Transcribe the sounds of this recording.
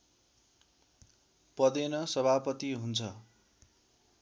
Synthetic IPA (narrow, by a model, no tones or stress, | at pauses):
pʌd̪enʌsʌbʱapʌt̪iɦunt͡sʰʌ